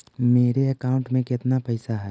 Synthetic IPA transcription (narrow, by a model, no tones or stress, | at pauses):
meːɾeəkaːʊ̃ɳʈmẽkɪt̪napəjsaɦɛː